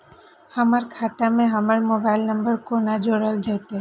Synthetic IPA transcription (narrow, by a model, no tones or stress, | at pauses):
həməɾkʰat̪amẽɦəməɭmobailnəmbəɾkonad͡ʒoɽəld͡ʒət̪e